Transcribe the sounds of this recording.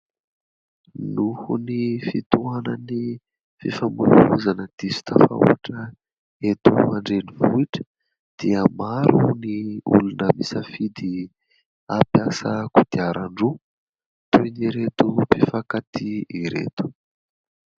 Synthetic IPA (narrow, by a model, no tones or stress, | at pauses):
nuhunifit̪uanəni | fifambuluzanəd̪̥isi̥t̪afa̰ṵaʈ͡ʂə | et̪uaɳɖ͡ʐenivuiʈ͡ʂə̥ | d̪̥iəmaɾuniṵlunəmisəfid̪i | apjasəkud̪̥iaɾaɳɖ͡ʐu | t̪ujniɾet̪upifakat̪iiɾḛt̪u̥